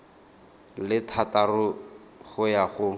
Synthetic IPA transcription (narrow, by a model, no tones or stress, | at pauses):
lɪtʰatarʊ | χʊjaχʊ